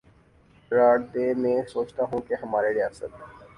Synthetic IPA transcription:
ɾaːɽd̪emẽsoːt͡ʃt̪aɦũkeɦɐmaːɾeɾijaːsət̪

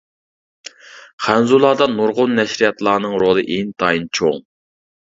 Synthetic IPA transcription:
χænzulˠɑːd̪ɑnuɾʁʊnːɛʃɾijɛt̪lˠɑːnɨŋɾolˠɨʔent̪ʰɑjint͡ʃʰoŋ

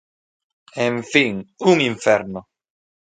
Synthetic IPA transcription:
ɛɱfiŋuŋiɱfɛɾno

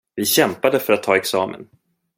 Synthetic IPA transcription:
vɪɕɛmpad̪əfœɾat̪ʰːɑːɛksɑːmə̰n

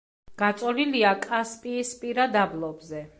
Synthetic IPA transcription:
ɡ̥at̪sʼɔliliakʼaspʼiːspʼiɾad̪ablˠɔbzɛ

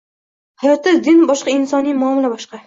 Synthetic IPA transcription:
hajɒt̪ɪzd̪ɪnbɒʃqɑɪnsɒnijmʊːmlabɒʃqɑ

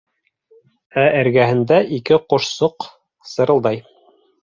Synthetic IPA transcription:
ææɾɡæhɘ̆nd̪æʔikɘqŏʃsoq | sɤ̆ɾɤ̆lˠd̪ɑj

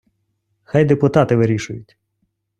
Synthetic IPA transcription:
xɑjd̪epʊt̪ɑt̪ɪʋɪɾʲiʃʊjʊtʲ

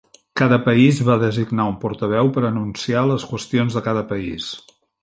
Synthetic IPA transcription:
kaðəpəizβaðəziɡnaumpɔɾt̪əβ̞ɛwpəɾənunsialəskwəst̪ionzðəkaðəpəḭs

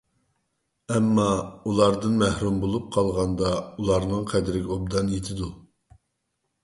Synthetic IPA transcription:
ɛmːɑulˠɑɾd̪ɨnmɛhɾumbolˠup̚qʰɑlˠʁɑnd̪ɑulˠɑɾnɨŋqʰɛd̪ɾɪɡʲɛob̚d̪ɑnjet̪ʰɪd̪u

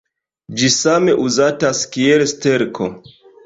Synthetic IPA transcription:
d͡ʒisame̞ʔuzataskielste̞ɾkʰo̞

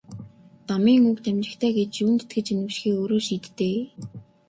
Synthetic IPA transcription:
t̪amiːŋukt̪æmt͡ɕɪ̆kt̪ʰæːɡet͡ɕjuːnt̪ʰt̪ɡɘ̆t͡ɕenɘ̆wʃxiːoːɾoːʃiːt̪ːeː

